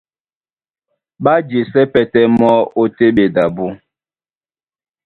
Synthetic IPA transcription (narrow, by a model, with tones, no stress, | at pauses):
ɓa˦d͡ʒe˨sɛ˦pɛ˨tɛ˦mɔ˦o˦te˦ɓe˨da˨bu˦